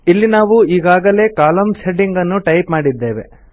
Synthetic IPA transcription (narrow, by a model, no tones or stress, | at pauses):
ilːinaːʋuiːɡaːɡɐle̞ːkaːlɐmseɖiŋɡɐnːuʈɐjpmaːɽid̪ːe̞ːʋḛ